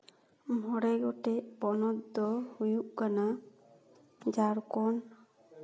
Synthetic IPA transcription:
mɔɽɛɡɔʈɛʔbɔnɔt̪d̪ɔhujuʔkana | d͡ʒaɾkɔn

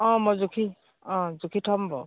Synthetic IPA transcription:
ɔ̃mɔzukʰi | ɔ̃zukʰiʈʰɔmbɔ̰

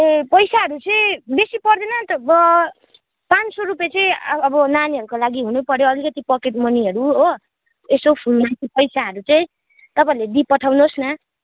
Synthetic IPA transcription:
epʌjsaɦʌɾut͡sʌĩbesipʌrd̪enʌt̪ʌbʌ | pansoɾupet͡sʌĩbʌnaniɦʌɾukolaɡiɦunupʌɾjoʌlikʌt̪ipʌkeʈmʌniɦʌɾuɦo | esopʰulmat̪ipʌjsaɦʌɾut͡sʌĩ | t̪ʌpaĩled̪ipʌʈʰawnosnʌ

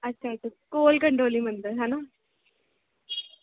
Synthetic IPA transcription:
ɐɕaːiʈːɨkoːlkɐɳɖoːlimɐnd̪ɨɦɐna

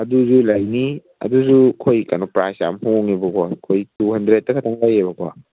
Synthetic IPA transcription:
ɐduzulajni | ɐ̰duzukʰojka̰nopɾasa̰mhoŋebɐkʰwakʰojtuhɐndɾet̚ːɐkʰɐtʰaŋlajebɐkwa̰

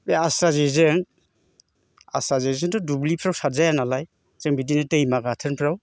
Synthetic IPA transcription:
beasɾazezeŋ | a̰sɾazezeŋtɔdublipʰɾawsazajanalaj | z̥ɛŋbidinɯtejmaɡatʰɯnpʰɾaw

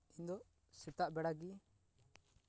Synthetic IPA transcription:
ind̪ɔ | sit̪aʔbɛɽaɡi

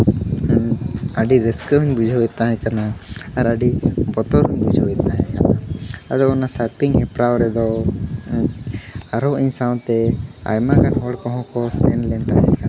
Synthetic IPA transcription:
aɖiɾiskɦuɲbud͡ʒʱɔwɛt̪aɦɛ̃kanaːɾaɖibɔt̪ɔɾɦuɲbud͡ʒʱɔwɛt̪aɦɛ̃kanaad̪ɔɔnasaɾpiŋɦɛpɾawɾɛd̪ɔ | aɾɔʔiɲsaw̃t̪ɛa̰jmakanɦɔɭkɔɦɔ̃kɔsɛnlɛnt̪aɦɛ̃ka

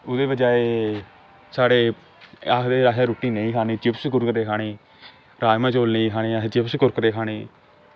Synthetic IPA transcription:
ʊd̪eːbəd͡ʒaːeː | saːɽeː | akʰd̪eːɾaːʃaːɾoːʈiːnəĩːkʰaːniːt͡ʃɪpskʊɾkɾeːkʰaːɽeː | ɾaːjmãːt͡ʃoːlnəĩːkʰaːɽeːat͡ʃɪpskʊɾkɾeːkʰaːɽeː

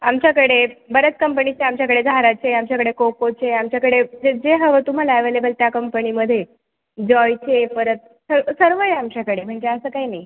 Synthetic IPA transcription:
amt͡ɕjakəɽebəɾət͡s̪kəmpəɳit͡ɕeamt͡ɕjakəɽed͡zʱaɾat͡ɕeamt͡ɕjakəɽekokot͡ɕeamt͡ɕjakəɽed͡zed͡zeɦəʋət̪um̤alaəʋelebəlt̪jakəmpəɳiməd̪ʱːje | d͡ʑɔjt͡ɕepəɾət̪̚ | səɾəsəɾʋəjeamt͡ɕakəɽem̤əɳd͡zeəsəːkainai

